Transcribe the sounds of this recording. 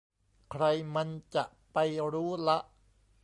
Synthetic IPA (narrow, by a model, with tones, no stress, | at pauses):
kʰɾa˧jma˧nt͡ɕa˨˩ʔpa˧jɾuː˦˥la˦˥ʔ